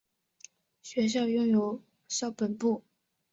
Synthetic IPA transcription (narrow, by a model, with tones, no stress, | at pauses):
ɕɥɛ˧˥ɕ̬jɑ˥˧ʊjʊ˥˩ŋjo˧˥ʊ | ɕjɑ˥˩ʊpə˨˩npu˥˩